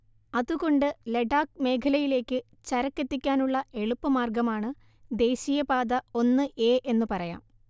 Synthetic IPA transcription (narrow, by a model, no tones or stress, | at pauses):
ɐðuɣo̞ɳɖɨle̞ɖaːkme̞ːkʰɐlɐjile̞ːkːɨ | t͡ɕɐɾɐkːe̞t̪ːikʲːaːnuɭːɐʔe̞ɭupːɨmaːrɡɐmaːɳɨ | d̪e̞ːɕijɐpaːd̪ɐo̞nːɨʔe̞ːʔe̞nːupɐrɐja̰ːm